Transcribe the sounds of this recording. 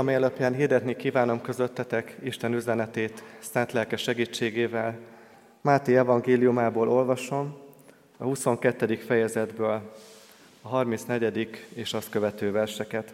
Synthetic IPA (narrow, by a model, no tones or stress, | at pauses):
ɒmijɛløpjɛːnɦird̪ɛt̪nikiːvaːno̞mkø̞zø̞t̪ːɛt̪ɛkiʃt̪ɛnyzɛnɛt̪eːt̪sɛnt̪lɛlkɛʃɛɡiːt͡ʃːeːɡeːvɛl | maːt̪ejɛvɒŋɡeːlijumaːboːlʔo̞lvɒʃo̞m | ɒhuso̞ŋkɛt̪ːɛd̪ikfɛjɛzɛd̪bøːl | ɒɦɒrmint̪snɛɟɛd̪ikeːʃɒst̪kø̞vɛt̪øːvɛrʃɛkɛt̪